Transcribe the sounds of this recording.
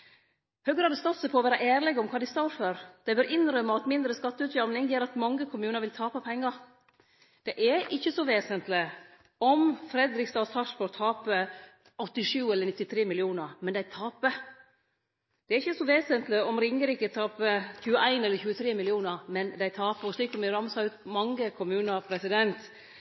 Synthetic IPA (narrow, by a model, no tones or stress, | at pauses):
høːɡɾɑːd̪əst̪ɑːt̪səpʰɔɔʋæːɾɑʔæːɾlɛɡɔmkʰɑːd̪ɪst̪ɔɾføːɾd̪̥ɛɪbøːɾʔɪnɾœmːəɑt̪mɪnd̪ɾəskɑt̪ːəʉːt̪jɑmnɪŋjeːɾɑt̪mɑŋːəkʰʊmʉːnəɾʋɪlt̪ʰɑːpɑpʰɛŋːɑɾ | d̪̥ɛʔɛʔɪçːəsɔʋeːsənt̪lɪ | ɔmfɾɛd̪ɾɪkst̪ɑːsɑʂfɔɾt̪ʰːɑːpə | ɔt̪ːɪʂʉːɛlːəɾnɪt̪ːɪt̪ʰɾeːmɪlɪuːnəɾmɛnd̪æɪt̪ʰɑːpə | d̪̥ɛæːɾɪçːəsɔʋeːsənt̪lɪɔmɾɪŋːəɾɪkət̪ʰɑːpəçʉːəʔæɪnɛlːəɾçʉːət̪ʰɾeːmɪlɪuːnəɾmɛnd̪æɪt̪ʰɑːpəɔʂɭiːksɔmɪɾɑmsɑʉt̪mɑŋːəkʰʊmʉːnəpʰɾɛsɪd̪ɛnt̪